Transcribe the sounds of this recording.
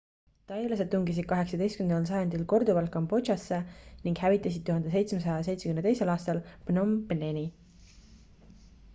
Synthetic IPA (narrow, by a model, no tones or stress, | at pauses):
t̪ɑjlɑse̞d̪̚t̪uŋɡis̬id̪̥̚kɑɦe̞ksɑd̪e̞jst̪kymenɑls̬ɑjɑnd̪ilko̞rd̪uvɑlkːɑmbo̞̥ʒɑsːe̞niŋɡ̥hævit̪ːˑɑsid̪̚t̪uhɑnd̪̥ese̞jt̪smes̬ɑjɑse̞jt̪sekymnet̪e̞jse̞lɑːst̪ɑlpnompneni